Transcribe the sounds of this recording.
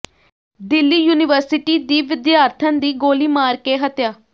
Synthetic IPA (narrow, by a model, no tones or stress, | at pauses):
d̪ɪlːiːjuːnɪʋəɾsɪʈiːd̪iːʋɪd̪jaːɾt̪ʰə̃nd̪iːɡoːliːmaːɾkeːɦət̪jaː